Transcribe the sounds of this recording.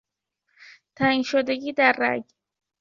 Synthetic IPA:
t̪ʰainʃod̪eɡiːd̪aɾːa̰ɡ

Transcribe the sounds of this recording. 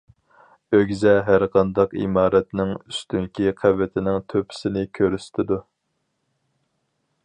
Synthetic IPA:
øɡʲzɛɦæɾqʰɑnd̪ɑqḭmɑːɾɛt̪nɪŋyst̪yŋkʲiqʰævːɪt̪ʰɪnɪŋt̪ʰøpʰɪ̥sɪnɪkʲʰøɾyst̪ʰɪd̪u

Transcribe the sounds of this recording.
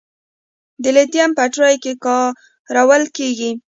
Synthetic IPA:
d̪əlet̪jampaʈɾajkekɑ | ɾawəlkeɡi

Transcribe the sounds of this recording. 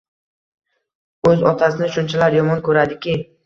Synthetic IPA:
ɵzɒt̪ʰasɪnɪʃʊnt͡ʃʰalaɾjɒmɒnkʰɵɾad̪ɪkʲɪ

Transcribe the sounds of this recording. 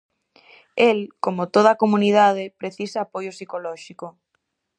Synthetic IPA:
elkomot̪oð̞ɐakomunið̞að̞epɾeθisaːpojosikolɔʃiko

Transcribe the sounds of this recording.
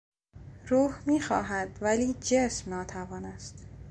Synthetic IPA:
ɾuːhmiːxɒːɦæd̪væliːd͡ʒesmnɒːt̪ʰævɒːnæst̪

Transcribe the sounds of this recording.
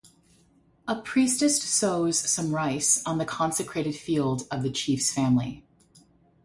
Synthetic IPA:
əpʰɹ̥istɨstsoʊz̥sʌ̃mɹaɪsn̩ðɨkʰɑ̃nsɨkʰɹ̥eɪɾɨd̥filˠdʌvðɨt͡ʃʰifsfæ̃mlḭ

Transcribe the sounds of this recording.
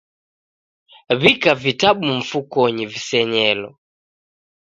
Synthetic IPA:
βikavitaɓuɱ̩fukɔɲivisɛɲɛlɔ̰

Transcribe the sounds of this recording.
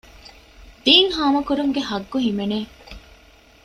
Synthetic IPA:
d̪̥iːŋhaːmɐkuɾuŋɡehɐɡːuɦimeneː

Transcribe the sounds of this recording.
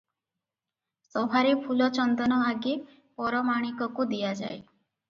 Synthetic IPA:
sɔbʱaɾepʰulɔt͡ʃɔnd̪ɔnɔaɡi | pɔɾɔmaɽ̃ikɔkud̪ijad͡ʒa̰j

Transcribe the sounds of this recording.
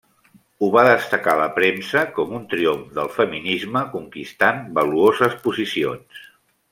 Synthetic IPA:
uβaðəst̪əkaləpɾemsəkɔmunt̪ɾioɱfd̪əlˠfəminizməkuŋkist̪anbəluozəspuzisions

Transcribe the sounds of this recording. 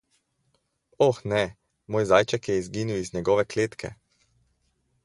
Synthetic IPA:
ɔxnɛ | moːjzaːjt͡ʃakjɛizɡiːniwizɲɛɡɔːʋɛkleːt̪kʰɛ̰

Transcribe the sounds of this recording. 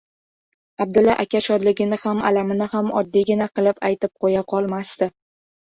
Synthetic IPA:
ab̚d̪ʊlːaʔakʲaʃɒd̪lɪɡʲɪnɪhama̰lamɪnɪhamɒ̰d̪ːiɡʲɪnaqɨlˠɪpajt̪ɪp̚qʰojaqʰɒlˠmast̪ɪ

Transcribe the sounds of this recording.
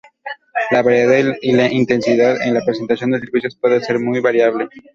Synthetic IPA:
laβaɾjeailaʔint̪e̞nsiðaðḛnlapɾes̬e̞nt̪asjo̞nd̪es̬eɾβisjospwe̞ðese̞ɾmujβaɾjaβle̞

